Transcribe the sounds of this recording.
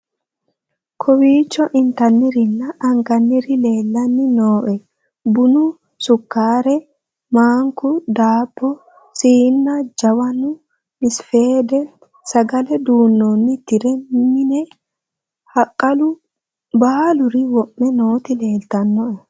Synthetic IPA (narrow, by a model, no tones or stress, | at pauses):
kʰɔwiːt͡ʃːɔʔɪnt̪ɐnːɪɾɪnːɐʔɐŋɡɐnːɪɾɪle̞ːlːɐnːɪnoːʔɛ | bʊnʊ | sʊkːaːɾɛ | maːŋkʊd̪aːpːɔ | siːnːɐd͡ʒɐwɐnʊ | mɪsfe̞ːd̪ɛ | sɐɡɐlɛd̪uːnːonːɪt̪ɪɾɛmɪnɛ | hɐkʼːɐlʊ | baːlʊɾɪwɔʔːɛno̞ːt̪ɪle̞ːlt̪ɐnːɔʔɔ